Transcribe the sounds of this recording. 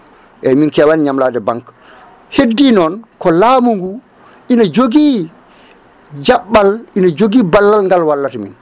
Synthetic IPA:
ʔɛminkɛwanɲamladɛbaŋk | hedːinɔnkɔlaːmuŋɡu | ʔinad͡ʒoɡi | d͡ʒaɓːalʔinad͡ʒoɡibalːalŋɡalwalːatamin

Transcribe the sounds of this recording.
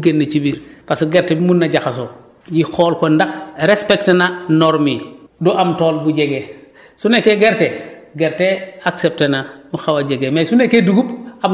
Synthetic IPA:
ɡenːɐt͡ʃibiɾpasɡeɾtebimunːaɟaxas̬o | jixoːlkondaxɾespektenanoɾmidoʔamtoːlbuɟeɡe | sunekeɡeɾteɡeɾteaksep̚tenamuxawaɟeɡemesunekeduɡubam

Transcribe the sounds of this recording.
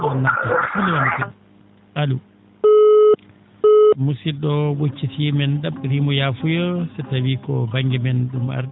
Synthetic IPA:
ɔnːatafulːɛwantɛn | ʔalu | musiɗɔwot͡ʃːitimɛndabɾimɔjaːfujɔsɛtawikɔbaŋɡɛmɛnɗuma̰ɾdɛ

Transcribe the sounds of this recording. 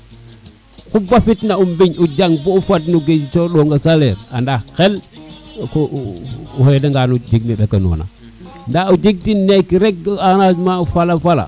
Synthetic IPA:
kubafitnaumbiɲud͡ʒaŋbuufatnuɡet͡ʃoɗoŋɡasaleɾandaxel | ku | hdaŋɡanud͡ʒiɡ̚miɓekanṵːna̰ | ndaud͡ʒiɡ̚tinekiɾek̚anasmaufalafala̰

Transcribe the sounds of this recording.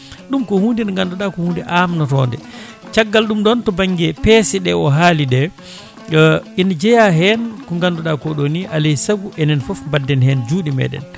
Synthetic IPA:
ɗumkɔhundinŋɡanduɗakɔhundiʔamnɔtɔ̰ndɛ̰ | t͡ʃaɡːalɗumɗɔntɔbaŋɡɛpɛsɛɗɛɔɦaːliɗɛ | inad͡ʒɛjaɦɛnkɔŋɡanduɗakɔɗoniʔalesaɡuʔɛnɛnfɔfmbadːɛnhɛnd͡ʒuːɗimɛ̰ːɗɛ̰n

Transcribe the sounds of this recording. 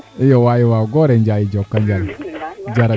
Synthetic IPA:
ijɔwajiwaɡɔɾɛd͡ʒajid͡ʒɔkːand͡ʒaɾad͡ʒaɾa

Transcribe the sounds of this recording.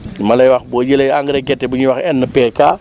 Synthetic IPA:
mɐlɐjwɐxbɔːjəlɐjaŋɡəɾɛɡɛtːɛbuɲiwɐxɛnːəpɛːkaː

